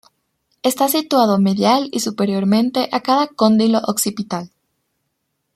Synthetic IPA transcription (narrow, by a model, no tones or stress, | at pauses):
est̪asit̪wað̞o̞me̞ðjalisupe̞ɾjo̞ɾmẽ̞nt̪e̞ʔakaðako̞nd̪ilo̞ʔoksipit̪al